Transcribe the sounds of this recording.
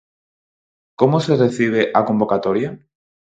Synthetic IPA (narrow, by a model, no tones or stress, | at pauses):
komosere̞θiβ̞eʔako̞mbo̞kat̪o̞ɾja